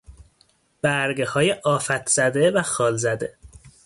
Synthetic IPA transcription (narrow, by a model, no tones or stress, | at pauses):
b̥æɾɡehɒːjeʔɒːfæt̪ʰz̥æd̪evæxɒːlzæd̪e̞